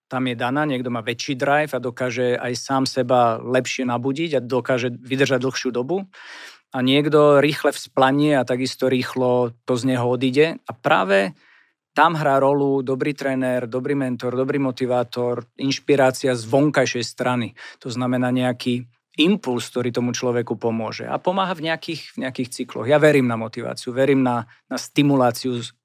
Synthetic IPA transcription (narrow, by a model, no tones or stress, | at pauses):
t̪amjɛd̪anaːɲɪɛɡd̪ɔmaːʋɛt͡ʃiːd̪ɾajvad̪ɔkaːʒɛa̰jsaːmsɛbalɛpʃɪɛnabuɟiɟad̪ɔkaːʒɛʋid̪r̩ʒaɟd̪l̩xʃɪuːd̪ɔbu | aɲɪɛɡd̪ɔɾiːxlɛfsplaɲɪɛat̪aɡist̪ɔɾiːxlɔt̪ɔzɲɛɦɔɔd̪iɟɛapɾa̰ːʋɛ | t̪amɦɾaːɾɔlud̪ɔbɾiːt̪ɾɛːnɛɾd̪ɔbɾiːmɛnt̪ɔɾd̪ɔbɾiːmɔt̪iʋaːt̪ɔɾinʃpiɾaːt͡siazʋɔŋkajʃɛjst̪ɾanit̪ɔznamɛnaːɲɛakʰiː | impulsk̚t̪ɔɾiːt̪ɔmut͡ʃlɔʋɛkupɔmʊɔʒɛ̰a̰pɔmaːɦavɲɛakiːxvɲɛakiːxt͡siklɔ̰ɣjaʋɛɾiːmnamɔt̪iʋa̰ːt͡siuʋɛɾiːmna | nast̪imulaːt͡siu